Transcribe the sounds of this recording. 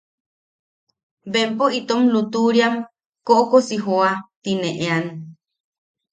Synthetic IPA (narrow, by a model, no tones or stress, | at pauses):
bempoit̪omlut̪uɾiam | koʔokosiɦoat̪ineʔean